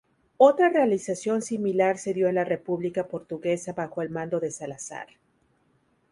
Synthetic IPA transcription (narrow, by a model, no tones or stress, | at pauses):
o̞t̪ɾarealisasjo̞nsimilaɾse̞ðjo̞enlare̞puβlikapo̞ɾt̪uɣe̞saβaxo̞e̞lmãnd̪o̞ðe̞salasa̰ɾ